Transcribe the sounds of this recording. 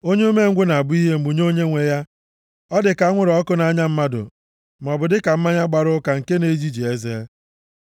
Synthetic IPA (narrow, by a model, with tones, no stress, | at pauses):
o˦ɲe˦u˦me˦ŋ̩˦ɡʷe˦na˨a˨bʊ˦i˦ɦe˦m̩˨ɡ͡bu˨ɲ˦o˦ɲe˦ŋʷe˨ja˦ | ɔ˦dɪ˨ka˨a˦ŋʷʊ˦ɾɔ˦kʊ˦na˨˦ɲa˦m̩˦ma˦dʊ̰˨ | m̩˨ɔ˨bʊ˨dɪ˦ka˨m̩˦ma˦ɲa˦ɡ͡ba˨ɾʊ˦ka˨ŋ̩˨ke˦ne˦d͡ʒi˦d͡ʒi˨e˦ze˦